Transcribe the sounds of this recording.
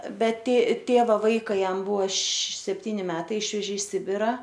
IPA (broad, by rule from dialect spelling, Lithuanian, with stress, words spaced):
bʲɛt tʲeː ˈtʲeːʋɐ ˈʋɐɪkɑː ˈjɛm ˈbʊʋoː ʃ sʲɛpʲˈtʲiːnʲɪ ˈmʲæːtɐɪ ˈɪʃʲʋʲɛʒʲeː ɪ ˈsʲɪbʲɪrɐ